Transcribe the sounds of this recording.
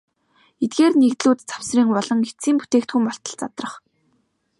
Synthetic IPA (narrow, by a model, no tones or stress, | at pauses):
et̪̚ɡeːrnekt̪ɮuːt̪t͡sḁwsriːŋpɔɮɞ̆ŋe̥t͡siːmput̪eːkt̪xŭmpɔɬt̪ə̆ɮt͡sat̪rə̆χ